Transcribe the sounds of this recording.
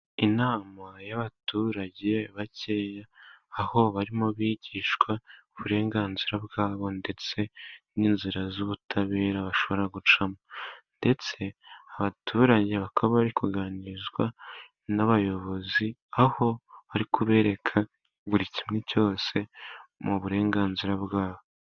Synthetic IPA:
inaːmajaβatuːɾaɟe̞βacejaːho̞βaɾimoβiːɟiːʃkwaoβuɾe̞ːŋɡaːnziɾabɡaːβo̞nde̞t͡se̞niːnziɾazuβutʰaβe̞ːɾaβaʃo̞βo̞ɾaɡut͡ʃamande̞t͡se̞aβatʰuːɾaɟe̞βakʰaβaβaɾikuɡaːniɾizɡwa | naβajo̞βo̞ziaho̞βaɾikʰuβe̞ːɾe̞kʰa | βuɾicimŋeco̞ːse̞muβuɾe̞ːŋɡaːnziɾabɡaːβo

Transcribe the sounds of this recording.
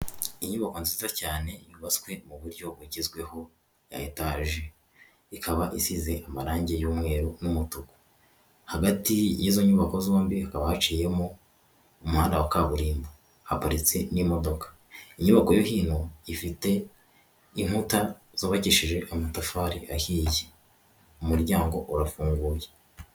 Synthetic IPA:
iɲuβako̞nzizizacaːne̞juβaskwe̞muβuɾɟo̞bwuɟizɡwe̞ho̞ | ja̰etaʒe | ikʰaβaʔisize̞ʔamaɾaːɲɟe̞juːmŋe̞ːɾonumutuko̥ | haɡatijizo̞ɲuβako̞zoːmbihakaβahat͡ʃiːje̞mo | umuhaːndawakaβuɾiːmba | hapaɾit͡se̞nimo̞do̞kḁ | iɲuβako̞jo̞hiːn̥huifite̞ | im̥huta | zoβaciʃiʒe̞ʔamatafaːɾiahije | umuɾɟaːŋɡo̞ʔuɾafuːŋɡuːje

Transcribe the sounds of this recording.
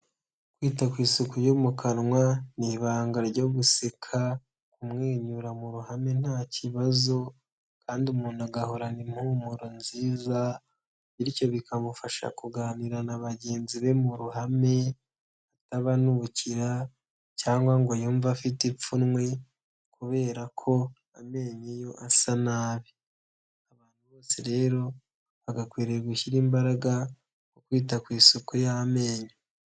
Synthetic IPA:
kwiːtakwiːsukujomukʰanŋwaniβaːŋɡaɾɟo̞βusekʰa | kumŋeːɲuɾamuɾuhame̞n̥haːciβazo̞ | kaːndiumuːnaɡahoɾanimhumuɾonziːza | βiɾico̞βikʰamufaʃa̰kuɡaːniɾanaβaɟe̞ːnziβe̞muɾuɦame̞ | ataβanuβuciɾa | caːŋɡwaŋɡojuːɱvafitip͡funŋwe̞ | kuβe̞ːɾakʰo̞ | ame̞ːɲejo̞ʔasanaːβi | aβaːn̥huβo̞ːseɾe̞ːɾo̞ | βaɡakwiːɾeɡuçiɾiːmbaɾaɡa | kokwiːtakwiːsokojame̞ːɲe

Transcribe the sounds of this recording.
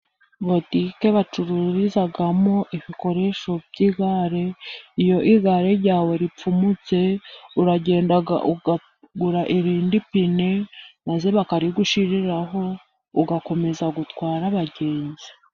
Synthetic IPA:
βo̞tike̞βat͡ʃuɾuɾizaɡamoʔiβiko̞ɾe̞ʃo̞bɟiɡaɾe̞ijo̞ʔiɡaɾe̞ɾɟaːwe̞ɾip͡fumut͡se̞uɾaɟe̞ːndaɡa̰ʔua | ɡuɾaʔiɾiːndipine̞maze̞βakaɾiɡuʃiɾiɾaɦo̞ | uɡako̞me̞zaɡutkwaːɾaβaɟe̞ːnzi̥

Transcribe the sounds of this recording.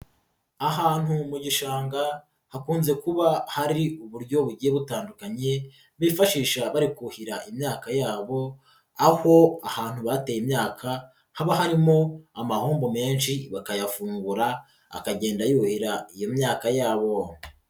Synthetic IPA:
aɦaːn̥humuɟiʃaːŋɡa | hakuːnze̞kuβahaɾiuβuɾɟo̞βuɟije̞βutaːndukaɲe̞ | βifaʃiːʃaβaɾikuhiɾaʔimɲaːkajaːβo̞ | aho̞ahaːn̥huβate̞ːjimɲaːkʰa | haβaɦaɾimo̞amahuːmbome̞ːnʃiβakajafuːŋɡuɾa | a̰kaɟe̞ːndajuhiɾaijo̞mɲaːkajaːβo̞

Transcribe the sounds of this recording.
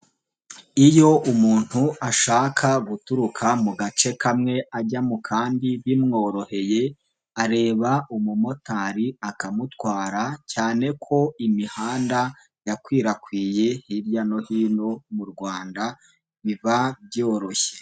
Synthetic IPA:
ijo̞ʔumuːn̥huaʃaːkʰaɡutuɾukʰamuɡat͡ʃe̞kamŋe̞ʔaɟamukʰaːndiβimŋo̞ːɾo̞he̞je̞ | aɾe̞ːβaumumo̞taːɾiakamutwaːɾacaːne̞kʰo̞imihaːnda | jakwiːɾakwiːje̞hiɾjano̞hiːno̞muɾɡwaːnda | βivabjo̞ːɾo̞çe̥

